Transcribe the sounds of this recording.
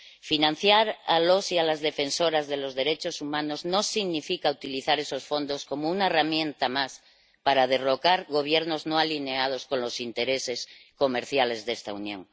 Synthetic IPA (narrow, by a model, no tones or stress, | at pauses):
finãn̟θjaɾalo̞sialazðe̞fe̞nso̞ɾazðe̞lo̞zðe̞ɾe̞t͡ʃosumãno̞zno̞siɣnifikaut̪iliθaɾe̞so̞sfo̞nd̪o̞sko̞mounaeramjẽ̞nt̪amas | paɾaðe̞ro̞kaɾɣo̞β̞je̞ɾno̞zno̞alineað̞o̞sko̞nlo̞sint̪e̞ɾe̞se̞sko̞me̞ɾθjale̞zðe̞st̪aunjõ̞̰ŋ